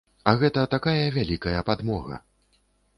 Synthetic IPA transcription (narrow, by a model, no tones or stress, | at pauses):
ɐɣɛt̪ɐt̪akajɐvʲalʲikɐjɐpad̪mɔɣɐ̰